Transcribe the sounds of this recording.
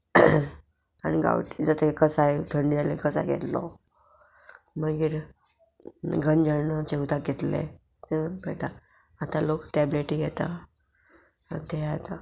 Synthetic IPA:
añiɡa̰ʋʈid͡zat̪ekəsajet̪ʰəɳɖialekəsa̰jɡʱḛt̪lɔ̰ | məɡiːɾ | ɡʱənd͡ʑanət͡ɕeut̪ak̚ɡʱet̪lḛ | t̪ebeʈaː | t̪alokʈɛbleʈiɡɛt̪a | at̪eat̪a

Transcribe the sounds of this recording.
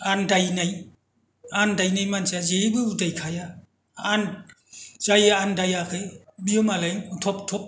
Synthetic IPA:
andajnaj | andajnajmansazebɯudajkʰaja | an | z̥ajaandajakʰɯjbiɯmalajutʰɔptʰɔp̚

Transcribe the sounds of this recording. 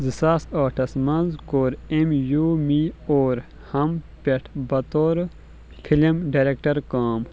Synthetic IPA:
zisaːsaːʈʰɐsmɐnzkoːɾemjuːmioːɾ | hɐmpeʈʰbɐt̪oːɾ | fʰilimɖaːɾekʈɐɾkaːm

